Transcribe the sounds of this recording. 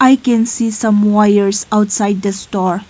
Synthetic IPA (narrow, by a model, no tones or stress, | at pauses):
ajkɛ̃nsisʌ̃mwajəɹsawtsajd̚dəstɔɹ